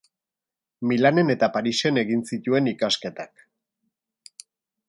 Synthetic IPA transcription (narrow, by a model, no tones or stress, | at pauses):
milane̞ne̞t̪apaɾise̞ne̞ɣinsit̪ue̞nikaske̞t̪ak